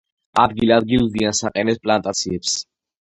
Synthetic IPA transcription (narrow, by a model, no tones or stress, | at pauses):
ad̪ɡilad̪̚ɡild̪iansaqʼɛnɛspʼlant̪ʼat̪sʰiɛps